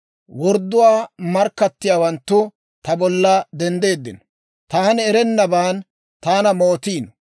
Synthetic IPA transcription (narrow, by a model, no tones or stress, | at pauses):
wɔɾd̪ːʊwaːmɐɾkːɐt̪ːɪjaːwɐnt̪ːʊ | t̪ɐbɔlːɐd̪ɛnd̪e̞ːd̪ːɪ̰nɔ̥ | t̪aːnɪɛɾɛnːɐbaːn | t̪aːnɐmoːt̪iːnɔ